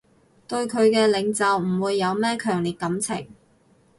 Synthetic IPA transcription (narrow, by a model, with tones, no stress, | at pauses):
t̪ɵ˧ɥkʰɵ˨˧ɥkɛː˧lɪ˨˧˥ŋt͡sɐ˨wm̩˨˩wuː˨˧jːɐ˨˧wmɛː˥kʰœː˨˩ŋliː˨t̚kɐ˨˥mt͡sʰɪ̰˨˩ŋ